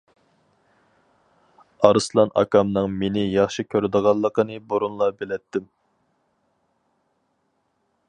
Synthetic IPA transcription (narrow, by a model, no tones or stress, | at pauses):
ɑɾɨslˠɑnʔɑ̰kɑmnɨŋmenɪjɑχʃikʲʰøɾd̪əʁɑlˠːəqənɨboɾunlˠɑbelɛt̪ːɪm